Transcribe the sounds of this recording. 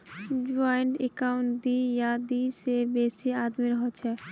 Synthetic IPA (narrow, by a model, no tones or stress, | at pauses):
d͡ʒaːɪɳʈekaːʊ̃ɳd̪ijad̪isebeːsiaːd̪miɾəɦot͡ʃʰɛː